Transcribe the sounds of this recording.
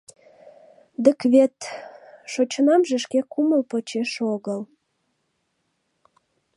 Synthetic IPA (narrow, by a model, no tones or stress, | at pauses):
d̪əkβet̪ʃot͡ɕnɑmʒĕʃkekuməlpot͡ɕeʃoɣəl